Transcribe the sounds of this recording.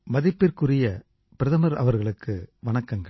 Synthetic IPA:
mɐðɪpːɪɾkɯrɪjɐ | pɪɾɐðɐmɐɾɐ̰ʋɐɾɣɐɭɯkːɯʋɐɳɐkːɐŋɡɐɭ

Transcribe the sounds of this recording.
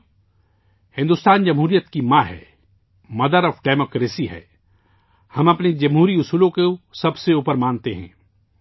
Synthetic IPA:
hɪ̃nd̪ʊst̪aːnd͡ʒɐmɦuːɾijət̪kimaːɦɛ̰ː | mɐd̪əɾɔːfɖeːmoːkɾeːsiɦɛ̰ː | hɐmɐpned͡ʒɐmɦuːɾiʊsuːlõkesɐbseuːpəɾmãːnt̪eɦɛ̰̃ː

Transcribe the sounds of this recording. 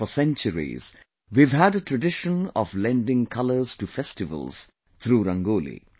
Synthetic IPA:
ɔsɛ̃nt͡ʃəɹḭz̥ | ʋiʋɦæɖəʈɾəɖɪʃə̃nɔ̰ʋlɛ̃nɖɪ̃ŋkʰʌlə˞z̥ʈufɛsʈɪʋə̰lˠz̥ | t̪ʰɾuːɾʌ̃ŋɡoːlḭ

